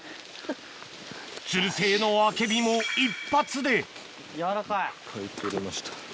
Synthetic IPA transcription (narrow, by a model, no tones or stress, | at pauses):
t͡ɕɨɾɯ̟se̞ːno̞ake̞bʲimoipːat͡sɨd̪e̞ | jaɾakaikʰait̪eɾemaɕi̥t̪ḁ